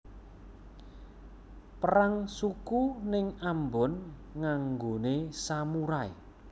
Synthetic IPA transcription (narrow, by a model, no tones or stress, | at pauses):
pəɾaŋsukunɪŋambɔnŋaŋɡonesamuɾaḛ